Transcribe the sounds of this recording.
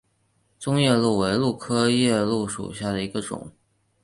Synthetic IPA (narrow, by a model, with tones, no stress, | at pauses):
t͡sʊ˥ŋjɛ˥˧lu˥˩we˧˥ɪlu˥˩kʰɤ˥jɛ˥˧lu˥˩ʂṵ˨˩ɕja˥˩d̪ə˩i˧˥ɡə˧ʈ͡ʂʊ̰˨˩˦ŋ